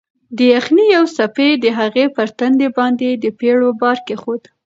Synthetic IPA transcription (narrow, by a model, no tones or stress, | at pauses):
d̪əjaxnijawsaped̪əɦaɣepəɾt̪and̪ebɑnd̪ed̪əpeɽobɑɾkexod̪